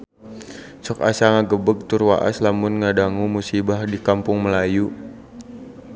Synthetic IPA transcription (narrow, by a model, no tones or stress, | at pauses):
sɔka̰saŋaɡəbəɡ̚t̪ʊrwa̰ʔa̰slamʊnŋadaŋumusibahdikampʊŋməlaju